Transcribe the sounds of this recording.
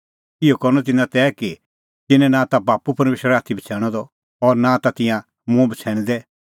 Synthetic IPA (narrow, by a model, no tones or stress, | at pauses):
ɪokɔɾñɔt̪̬ɪnãt̪ɛːki | t̪ɪnɛ̃nãːt̪abaːpupɐɾmeːʃəɾaːt̪ʰːibʱit͡sʰɛːɽ̃ɔd̪ɔ | ɔːɾnãːt̪at̪ɪ̃jã | mũbit͡sʰɛːɽ̃d̪ɛ